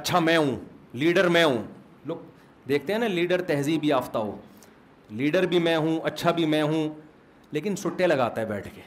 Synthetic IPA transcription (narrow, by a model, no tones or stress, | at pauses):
ɐtːʃʰamɛ̃ːɦũliːɖəɾmẽɦũː | loːk | d̪eːk̚ʰt̪eɦɛ̃ːnaliːɖəɾt̪ɛɦzibʱiaːft̪aɦo̰ː | liːɖəɾbʱimɛ̃ɦũɐtːʃʰabʱimɛ̃ɦũ | leːkɪnsʊʈːẽlɐɡaːt̪aɦɛbɛːʈʰkeː